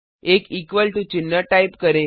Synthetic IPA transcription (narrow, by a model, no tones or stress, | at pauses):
ekikʋəlʈut͡ʃɪnːəʈaipkəɾẽ